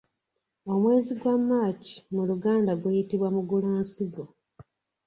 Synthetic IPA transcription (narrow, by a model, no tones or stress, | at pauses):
o̞mwe̞ːziɡwamːaːci̥muluɡaːndaɡwejitiβwamuɡulaːnsiɡo̞